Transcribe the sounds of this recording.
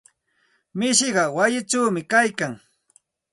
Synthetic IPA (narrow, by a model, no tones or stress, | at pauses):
mɪʃɢɑwajɪʈ͡ʂawmɪkajkaŋ